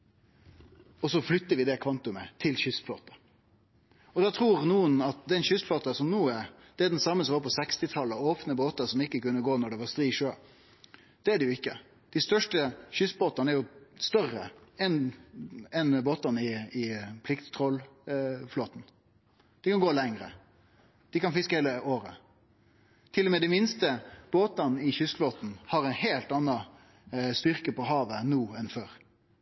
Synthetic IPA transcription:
ɔsɔflʏt̪ːəɾʋɪd̪ɛkʰʋɑnt̪ʊmət̪ʰɪlçʏsflo̰ːt̪ɑ | ɔd̪ɑt̪ʰɾuːɾnuːənɑt̪̚d̪ɛnʃʏsfloːt̪ɑsɔmnuːæɾ | d̪̥ɛɛd̪ɛnsɑmːəsɔmʋɑːɾpʰɔsɛkst̪ɪt̪ʰɑlːəoːpnəboːt̪ɑsɔmɪkːəkʉnːəɡoːnɔɖɛʋɑɾst̪ɾiːʂøː | d̪̥ɛæɖɛjʊɪkːə | d̪̥ɪst̪œʂʈəçʏsboːt̪ɑnəæɾjʊst̪œrə̰ɛn | ɛnboːt̪ɑnɪɪpʰlɪkt̪t̪ʰʁɔlfloːt̪n̩ | d̪̥ɪkʰɑnɡoːlɛŋɾə̰ | d̪̥ɪkɑnfɪskəheːləʔoːɾə | t̪ʰɪlːɔmeːd̪æɪmɪnst̪əb̥oːt̪ɑnɪçʏsfloːt̪n̩hɑɾɛɪnheːlt̪ɑnːɑ | st̪ʏɾkəpɔɦɑːʋənuːɛnføːɾ

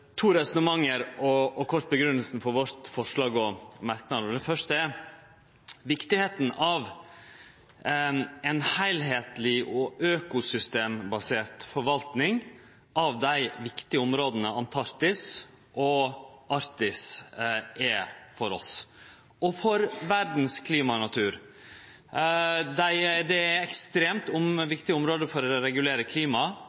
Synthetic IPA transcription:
t̪ʰuːɾɛsɔnəmɑŋːəɾɔɔkʰɔɾt̪̚bəɡɾʉnːəlsn̩fɔɾʋɔɾt̪fɔʂlɑːɡɔmæɾknɑɔd̪ɛfœʂtəɛ | ʋɪkt̪ɪheːt̪n̩ʔɑʋ | ɛnhæɪlɦeːt̪lɪɔʔøːkʊsʏst̪eːmbɑseːɾt̪fɔɾʋɑlt̪nɪŋ | ʔɑʋd̪æɪʋɪkt̪ɪəʊmɾoːd̪ənəɑnt̪ʰɑɾt̪ɪs | ʔɔʔɑɾt̪ɪs | ʔɛfɔɾɔ̰s | ɔfɔɾʋæɾd̪n̩skʰliːmɑnɑt̪ʰʉːɾ | d̪æɪd̪ɛɛkst̪ɾeːmt̪ʊmʋɪkt̪ɪʊmɾoːd̪əfɔɾɔɾɛɡʉleːɾəkʰliːmɑ

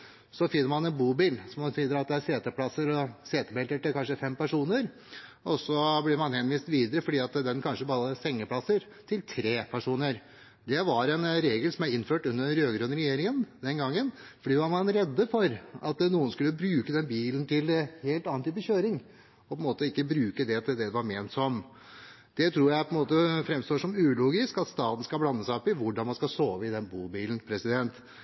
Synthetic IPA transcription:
sɔfɪnːəɾmɑnɛnbuːbiːlsɔmsiːd̪əɾɑt̪̚d̪ɛæɾseːt̪əpʰlɑsːəɾɔseːt̪əbɛlt̪əʈɪlkʰɑnʂəfɛmpæʂuːnəɾ | ɔsɔblɪɾmɑnhɛnʋiːst̪ʋiːd̪əɾəfɔɖiːɑt̪d̪ɛnkʰɑnʂəbɑːɾəsɛŋːəpʰlɑsːəɾ | t̪ʰɪlt̪ʰɾeːpʰæʂuːnəɾ | d̪ɛʋɑɾɛnɾeːɡəlsɔmæɪnːføːʈʉnːəɾøːɡɾøːnəɾɛjeːɾɪŋənd̪ɛnɡɑŋːənfɔɖiːʋɑɾmɑnɾɛd̪ːəfɔɾɑt̪nuːənskʉlːəbɾʉːkəd̪ɛnbiːlənt̪ʰɪlheːlt̪ɑːnt̪ʰyːp̬ːəçøːɾɪŋ | ɔpʰɔɛnmoːt̪əɪkːəbɾʉːkəd̪ɛt̪ʰɪld̪ɛd̪ɛʋɑɾmeːnt̪sɔm | d̪ɛt̪ʰɾuːɾjæɪpʰɔɛnmoːt̪əfɾɛmst̪oːʂɔmʉːluːɡɪskɑt̪st̪ɑːt̪n̩skɑblɑnːəsæɪɔpːɪʋʊɖɑnmɑnskɑsoːʋəɪd̪ɛnbuːbiːln̩pʰɾɛsɪd̪ɛnt̪

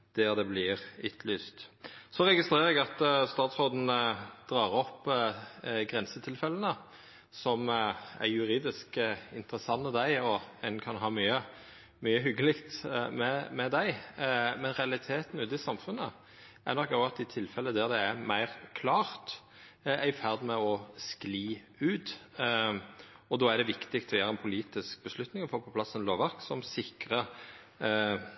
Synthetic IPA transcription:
d̪̥æʁd̪ɛblɪʁʏt̪ʰlyːst̪sɔʁɛɡɪst̪ʁeːɾəɛɡɑt̪st̪ɑːt̪sʁod̪n̩əd̪̥ʁɑːʁɔpː | ɡʁɛnsət̪ʰɪlfɛlːənə | sɔmæ̰ɾjʉʁiːd̪ɪskɪ̰nt̪əɾəsɑnːəd̪æɪɔɛnkʰɑnɦɑːmyːə | myːəɦʏɡːəlɪkt̪mɛmɛd̪æɪmɛnɾɛɑlɪt̪ʰeːt̪n̩ʉːt̪ɪsɑmfʉnə | ʔæɾnɔkːɔɡɑt̪ɪt̪ʰɪlfɛlːəd̪æʁd̪ɛæmæɪʁkʰlɑːʁt̪ | æɪfæʁd̪mɛɔskliː | ʉːt̪ | ɔd̪oːæɾd̪ɛʋɪkt̪ɪkt̪ʰɔjøːɾəɛnpʰʊliːt̪ɪsk̚bəslʉt̪nɪŋɔfoːpʰɔpʰlɑsːɛnloːʋɑʁksɔmsɪkʁə

